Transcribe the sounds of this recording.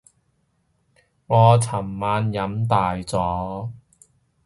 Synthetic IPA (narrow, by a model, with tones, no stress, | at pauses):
ŋɔː˨˧t͡sʰɐ˨˩mːaː˨˧njɐ˨˥mt̪aː˨jt͡sɔː˨˥